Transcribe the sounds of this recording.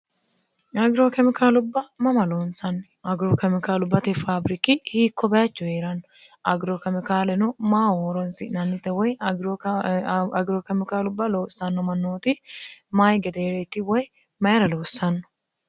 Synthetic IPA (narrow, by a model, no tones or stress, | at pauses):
ɐɡɾoːkɛmɪkaːlʊbːɐmɐmɐloːnsɐnː | ɐɡɾokɛmɪkaːlʊbːɐt̪ɪfaːbɾɪkɪhiːkːɔbɐjɐt͡ʃːʊheːɾɐnɔ | ɐɡɾokɛmɪkaːlɛnɔmaːhoːɾɔnsɪ̰ʔnɐnːɪt̪ːɛwɔjɾ | ɐɡɾoːkɛmɪkaːlʊbːɐloːsːɐnːɔmɐnːoːt̪ɪmajɡɛd̪eːɾet̪ːɪwɔj | mɐjɐɾɐloːsːɐnːɔ̥